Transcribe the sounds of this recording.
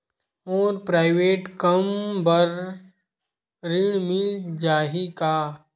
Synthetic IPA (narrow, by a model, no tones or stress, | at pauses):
ɔːɾpɾaːɪʋeːʈkɐmbɐɾ | ɾɪɳ̃mɪld͡ʒaːɦikaː